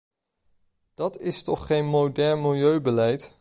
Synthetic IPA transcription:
d̥ɑtɪstɔχχejnmodɛɹnmɪlˠjøɥbəlɛjt

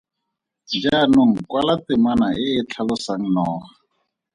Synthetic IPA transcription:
d͡ʒanʊŋ̩kwalatɪmanaʔɪːt͡ɬʰalʊsaŋ̩nɔːχa

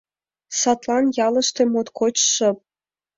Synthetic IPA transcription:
sɑt̪lɑnjɑlɤ̆ʃt̪ĕmot̪kot͡ɕʃɤ̆p̚

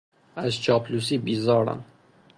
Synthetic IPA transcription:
æzt͡ʃʰɒːpʰlus̬iːbiːzɒːɾæ̰n

